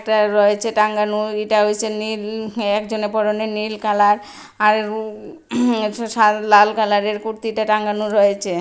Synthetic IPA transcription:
k̚ʈaɾɔet͡ɕʰeʈaŋɡanueʈaɦoet͡ɕʰenilɛkd͡ʑonepɔɾonenilkalaɾ | aɾ | alalkalaɾeɾkuɾt̪iʈaʈaŋɡanuɾɔjet͡ɕʰe

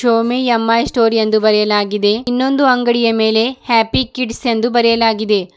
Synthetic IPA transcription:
ʃoːmiɐmːaːjsʈo̞ːɾijend̪ubɐɾɛjɐlaːɡid̪e̞inːo̞nd̪uɐŋɡɐɽijɐme̞ːle̞hæːpikiʈsend̪ubɐɾɛjɐlaːɡid̪e̞

